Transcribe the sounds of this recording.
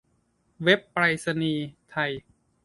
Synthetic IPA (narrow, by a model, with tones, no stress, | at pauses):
we˦˥pːɾaː˧jsa˧niː˧t̪ʰa˧j